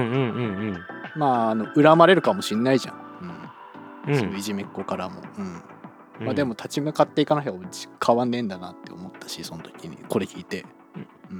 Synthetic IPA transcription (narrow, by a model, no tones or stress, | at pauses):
ɯ̃ɯ̟̃ɴɴmaːno̞ʔɯ̟ɾamaɾe̞ɾɯ̟kamo̞ɕĩnːaiʑã̰ŋɯ̟̃ɴ | sonoiʑime̞kːokaɾamo̞̰ɯ̟̃ɴ | mad̪e̞mo̞t̪ʰat͡ɕimɯkat̪ːe̞ikanaɦʲai̥kʰaβãnːẽ̞nd̪anat̪ːe̞o̞̰mo̞t̪ːḁɕiso̞not̪o̞̥kʲiɲ̟ḭko̞ɾe̞kʲʰiːt̪e̞ | ɯ̟̃